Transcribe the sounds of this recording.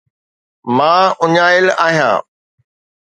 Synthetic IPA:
mãːʊɲaːɪla̰ːɦijã̰ː

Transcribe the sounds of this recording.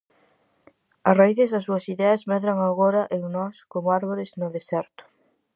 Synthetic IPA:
ɐsraiðezɐsːuɐsiðɛɐzmɛðɾɐŋaɣoɾɐʔeŋnɔskomʊaɾβoɾɪznʊðesɛɾt̪ʊ̥

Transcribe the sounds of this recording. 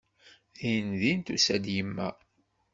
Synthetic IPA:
ðinðint̪usæd̪jəmːæ̰

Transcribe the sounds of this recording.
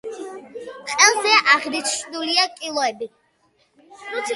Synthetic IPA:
χʼɛlˠzɛʔaʁɾit͡ʃʰʃd̪uliakʼilˠɔɛbi

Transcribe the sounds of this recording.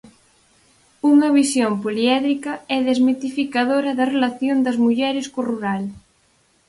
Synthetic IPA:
uŋɐβisjompoliɛðɾikɐɛðezmet̪ifikaðoɾɐðɐrelaθjond̪ɐzmuʎɛɾɪskoruɾal

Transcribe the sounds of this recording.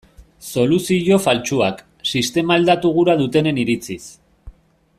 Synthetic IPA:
so̞lusiʝo̞falt͡ʃuak | sist̪e̞maːld̪at̪uɣ̞uɾaðut̪e̞ne̞niɾit͡sis

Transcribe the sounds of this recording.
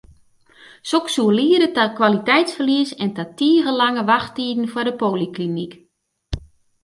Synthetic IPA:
soksuəliəɾətakwalitɛjtsfərliəsɛntatiəɣəlaŋəʋaxtiːdn̩fwadəpoːliklinik

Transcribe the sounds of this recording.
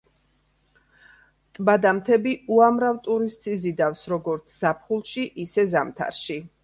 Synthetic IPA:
t̪ʼbad̪amt̪ʰɛbiuamɾavt̪ʼuɾist̪sʰʼizid̪afsɾɔɡɔɾt̪sʰz̥apʰχulˠʃiʔisɛzamt̪ʰa̰ɾʃi

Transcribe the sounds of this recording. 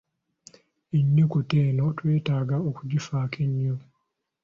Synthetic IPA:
eɲːokuteːnotwe̞ːtaːɡaokuɟifaːkʰeɲːo

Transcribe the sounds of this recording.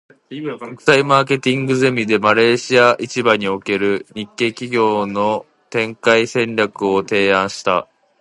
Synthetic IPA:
kokɯ̥saimaːke̞t̪ʲĩŋɡɯ̟ze̞mʲid̪e̞maɾe̞ːɕiaʔit͡ɕibaɲ̟io̞ke̞ɾɯ̟ɲ̟ikːe̞ːkʲiɡʲo̞ːno̞ | t̪ẽ̞ŋkaisẽ̞nɾʲakɯ̟o̞t̪e̞ːãɰ̃ɕi̥t̪a̰

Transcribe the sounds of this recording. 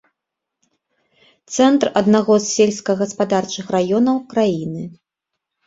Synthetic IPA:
t̪sɛnt̪rɐd̪naɣɔzsʲelʲsʲkɐɣɐspad̪art͡ʂɨxrajɔnɐwkɾajinɨ

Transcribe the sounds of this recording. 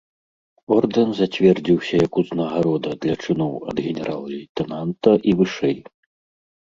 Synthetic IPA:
ɔrd̪ɛnzat͡sʲvʲɛrd͡zʲiwsʲɐjɐkuznɐɣaɾɔd̪ɐd̪lʲɐt͡ʂɨnɔwɐ̰d̪ɣʲɛnʲɛɾalˠɐit̪ɛnant̪ɐʔivɨʂɛj

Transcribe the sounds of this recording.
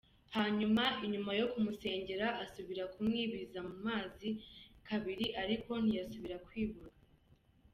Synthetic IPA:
haːɲumaiɲumajo̞kumuse̞ːɲɟe̞ɾaʔːsuβiɾakumŋiːβizamumaːzikaβiɾiʔaɾiko̞n̥ijasuβiɾakwiːβuɾa

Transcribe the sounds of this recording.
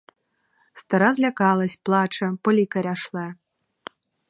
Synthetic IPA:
st̪ɐɾazʲlʲakalˠɐsʲplˠat͡ʂɐpɔlʲikɐɾʲaʂlˠɛ

